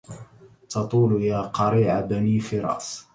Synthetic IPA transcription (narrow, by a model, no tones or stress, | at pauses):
t̪ɑt̪ˤuːljaːqɑɾiːʕabaniːfiɾˤɑ̰ːs